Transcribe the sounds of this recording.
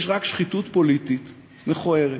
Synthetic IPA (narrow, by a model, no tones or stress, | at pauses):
ʃʁakʃχitutpo̞lit̪it̪ | meχoeʁe